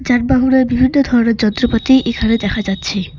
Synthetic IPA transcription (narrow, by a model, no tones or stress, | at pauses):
d͡ʑaʈ̚baɦuɾeɾbibʱinːod̪ʱɔɾoneɾd͡ʑɔnt̪ɾopat̪ijʔekʰaned̪ɛkʰad͡ʑatːɕʰi